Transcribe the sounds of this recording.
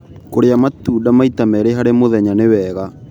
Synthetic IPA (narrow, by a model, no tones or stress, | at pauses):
koɾeamatuːdamaitamɛɾeɦaɾemoðɛɲanewɛɣa